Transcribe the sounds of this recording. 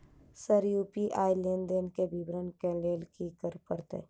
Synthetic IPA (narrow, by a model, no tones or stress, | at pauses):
səɾjuːpiʔaːilend̪enkebibɾənkɛ̃leːlkikəɾpəɾt̪ḛː